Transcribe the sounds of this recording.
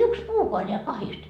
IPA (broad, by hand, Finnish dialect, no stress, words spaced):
yks puːkoɑ neæ kɑhist